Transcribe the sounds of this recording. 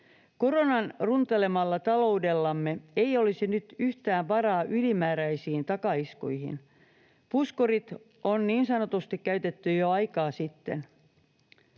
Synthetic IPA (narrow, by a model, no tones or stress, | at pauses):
koro̞nɑnrunt̪ele̞mɑlːɑt̪ɑlo̞ude̞lːɑmːeeiolisinyt̪yht̪æːmʋɑrɑːʔylimæːɾæisiːnt̪ɑkɑiskṵjhḭn | puskorit̪ | ʔonniːnsɑnot̪ust̪ikkæyt̪et̪ːyjoɑjkɑːsit̪ːḛn